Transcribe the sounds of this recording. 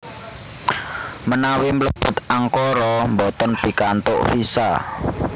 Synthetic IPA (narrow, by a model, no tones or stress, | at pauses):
mənawimələb̥ʊ̤t̪̚aŋkɔɾɔmbɔt̪ɔnpikant̪ʊ̰ʔfisa̰